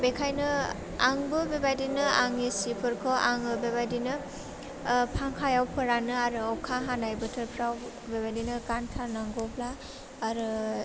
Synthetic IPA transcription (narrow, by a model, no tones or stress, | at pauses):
bekʰajnɯ | aŋbɯbebajdinɯaŋisipʰɯɾkʰɔʔaŋɯbebajdinɯ | pʰaŋkʰajawpʰɯɾanɯaɾɯɔkʰaɦanajbɯtʰɯɾpʰɾaw | bebajdinɯkantʰaɾnaŋɡɔblaː | ɾɯ